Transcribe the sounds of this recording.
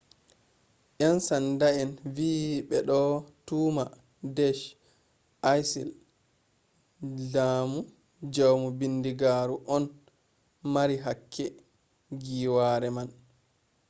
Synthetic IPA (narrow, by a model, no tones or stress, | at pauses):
ʔansandaɛnviːɓɛɗɔtuːma | dɛʃ | ʔajsḭl | d͡ʒaːmu | d͡ʒawmubindiɡaːɾuʔɔn | maɾiɦakʰːɛ | ɡiːwaːɾɛman